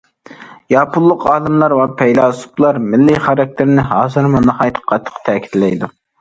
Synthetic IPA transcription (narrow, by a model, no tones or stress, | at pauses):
jɑpʰʊlˠːʊqɑːlˠɨmlˠɑɾwɑpʰɛjlɑːsu̥plˠɑɾmɪlːiχɑɾɑk̚ʲt̪ʰɪɾnɪɦɑːzɨɾmʊnɑhɑjt̪ʰə̥qʰːɑt̪ʰːə̥qt̪ʰɛːkʲi̥t̪lɛ̰jd̪u